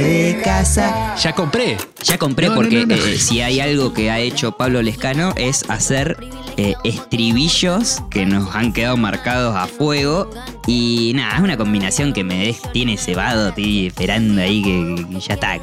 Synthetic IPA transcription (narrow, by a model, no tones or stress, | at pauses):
ðekasaʒ̥akompɾe | ʒ̥ako̞mpɾepo̞ɾkeʔsiajalɣo̞keaet͡ʃo̞paβlolehkano̞ʔe̞sa̰seɾ | eest̪ɾiβiʃo̞skeno̞saŋke̞ðaðomaɾkað̞o̞sa̰fweɣo̞ | inaaesunako̞mbinasjo̞ŋkemeðet̪jeneseβaðot̪iehpeɾand̪oaikeʃat̪a̰